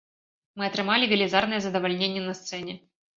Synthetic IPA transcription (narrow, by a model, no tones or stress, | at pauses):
mɨɐt̪ɾɨmalʲɪɡʲəlʲɪzarnɨjəzəd̪əvɐlʲnʲenʲɪjənɐst̪sɛnʲɪ